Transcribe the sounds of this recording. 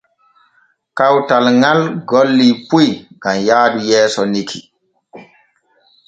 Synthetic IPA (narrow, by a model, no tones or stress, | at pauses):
kawtalŋalɡɔlːipujɡamjaːdujɛːsɔnikʰi